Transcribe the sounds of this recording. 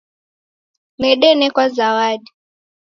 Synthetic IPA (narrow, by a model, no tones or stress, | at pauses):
nɛɗɛnɛkwazawaɗi